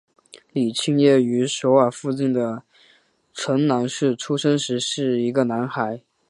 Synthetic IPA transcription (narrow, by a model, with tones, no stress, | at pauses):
li˨˩t͡ɕʰi˥ŋjɛ˥˩y˧˥ʂo˧˥ʊwa˨˩fu˥˧t͡ɕi˥˩ŋd̪ə˩ | ʈ͡ʂʰɤ˧˥ŋna˧˥ŋʂɻ̩˥˩ʈ͡ʂʰu˥ʂɤ˥ŋʂɻ̩˧˥ʂɻ̩˥˩i˧˥ɡə˧na˧˥nxa˧˥ɪ